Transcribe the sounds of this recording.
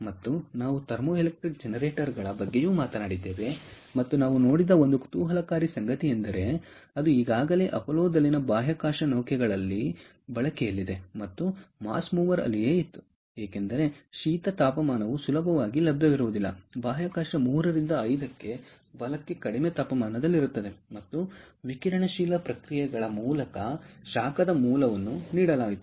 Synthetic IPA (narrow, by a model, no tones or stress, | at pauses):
mɐt̪ːunaːʋut̪ɐɾmoːilek̚ʈɾik̚d͡ʒenɐɾeːʈɐɾɡɐɭɐbɐɡːe̞juːmaːt̪ɐnaːɽid̪ːeːʋe̞ | mɐt̪ːunaːʋuno̞ːɽid̪ɐond̪uku̥t̪uːɦɐlɐkaːɾisɐŋɡɐt̪iend̪ɐɾe̞ | ɐd̪uiːɡaːɡɐle̞ːʔɐpɐloːd̪ɐlːinɐbaːɦjɐkaːʂɐnoːkɛɡɐɭɐlːi | bɐɭɐkɛjɐlːid̪e̞mɐt̪ːuma̰ːsmuːʋɐɾɐ̰lːijeːit̪ːu̥ | eːkend̪ɐɾe̞ʃiːt̪ɐt̪aːpɐmaːnɐʋusulɐbʱɐʋaːɡilɐbʱjɐʋiɾuʋud̪ilːɐ̰baːɦjɐkaːʂɐmuːɾɐɾind̪ɐːjd̪ɐkːe̞ | bɐlɐkːe̞kɐɽimet̪aːpɐmaːnɐd̪ɐlːiɾut̪ːɐd̪e̞mɐt̪ːuʋikiɾɐɳɐʃiːlɐpɾɐkɾijɛɡɐɭɐmuːlɐkɐʃaːkɐd̪ɐmuːlɐʋɐnːuniːɽɐlaːɡit̪ːuu̥